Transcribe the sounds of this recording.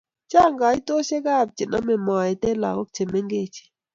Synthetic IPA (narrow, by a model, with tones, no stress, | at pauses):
t͡ʃa˦˨ŋɡa˨i˦to˦ʃe˦ka˦˨b̚t͡ʃi˨na˦mɛ˨mɔ˨ɛ˨te˦la̰˨ko˦k̚t͡ʃe˨me˦ŋɡe˦˨t͡ʃi̥˨